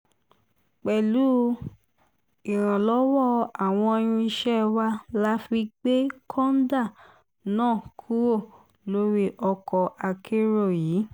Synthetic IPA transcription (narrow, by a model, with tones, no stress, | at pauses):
k͡pɛ˨lu˨˦ | i˨ɾ̃ã˨lɔ˨˦wɔ˦˨a˨w̃ɔ̃˧j̃ũ˧i˧ʃɛ˦wa˦la˦fi˧ɡ͡be˦kʰɔ̃˦n̩˦da˦˨ | nãː˦˨kʰu˦wo˦˨ | lo˦ɾi˦ʔɔ˧kɔ˧ʔa˧kʰe˦ɾo˦˨jiː˨˦